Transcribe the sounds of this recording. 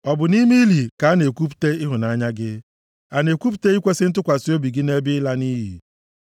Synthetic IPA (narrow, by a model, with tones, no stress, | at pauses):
ɔ˨bʊ˨ni˦mi˦li˨ka˨a˦ne˨kʷu˦p̬u̥˨te˦ɪ˦ɦʊ˨na˦ɲa˦ɡɪ˦ | a˨ne˨kʷu˦p̬u̥˨te˦i˦kʷe˦sɪ˦n̩˦t̬ʊ˦kʷa˨si˦o˦bi˨ɡɪ˦ne˦bɪ˦ɪ˦la˦ni˦ɦḭ˨